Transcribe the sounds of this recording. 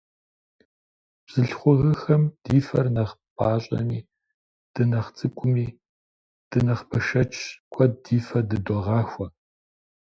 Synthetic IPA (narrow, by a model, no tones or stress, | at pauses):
b̥z̥ɨɬχʷʊɣɨxɐmd̥iːfɐrnɐχpʰʼaːɕʼɐ̰miː | d̥ɨnɐχt͡sʼɨkʷʼʊmiː | d̥ɨnɐχpʰɐʃɐt͡ʃʼʰkʷʰʼɔdiːfɐdɨdɔʁɑːxʷɐ